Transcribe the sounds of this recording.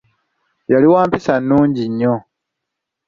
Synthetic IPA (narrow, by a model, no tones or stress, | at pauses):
jaliwaːmpisanːuːɲɟiɲːo